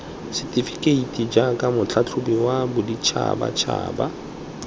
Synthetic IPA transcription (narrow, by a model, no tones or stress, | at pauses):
sɪtʼifikʼeitʼid͡ʒakʼamʊt͡ɬʰat͡ɬʰʊbiwabʊdit͡ʃʰa̰ba̰t͡ʃʰa̰ːba